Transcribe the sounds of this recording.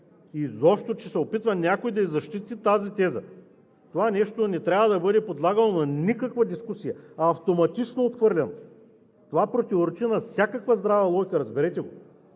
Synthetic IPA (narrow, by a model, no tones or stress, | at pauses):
izɔpʃt̪ot͡ʃɛsɛopit̪vɐnʲakojd̪ɐizɐʃt̪it̪it̪azit̪ɛzə̰ | t̪ovanɛʃt̪onɛt̪ɾʲavəd̪ɐbɤd̪ɛpod̪lˠaɡɐnonɐnʲikɐkvɐd̪iskusijɐɐːft̪omɐt̪it͡ʃnoːt̪xvɤɾlʲɛno | t̪ovapɾot̪ʲivoɾɛt͡ʃinɐfsʲjakəkvəzd̪ɾavɐlˠɔjkəɾɐzbɛɾɛt̪ɛɡo